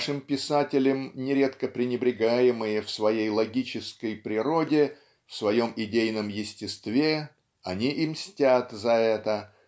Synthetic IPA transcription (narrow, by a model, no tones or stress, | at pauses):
ʂɨmpʲɪsatʲɪlʲəmnʲɪɾʲe̞t̪kəpɾʲɪnʲɪbɾʲɪɡajɪmɨjəfsvɐjejlˠɐɡʲit͡ɕɪskəjpɾʲɪɾo̞dʲɪ | fsvɐjo̞mɪdʲejnəmjɪsʲtʲɪst̪vʲe̞ | ɐnʲiʔimsʲtʲat̪zɐɛt̪ə